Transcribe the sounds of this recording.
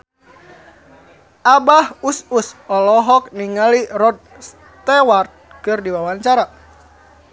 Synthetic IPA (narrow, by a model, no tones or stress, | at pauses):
ʔabahususɔlɔɦɔk̚niŋalirɔd̪̚ | s | t̪ɛwart̪̚ | kɨrdiwawaɲt͡ʃaɾa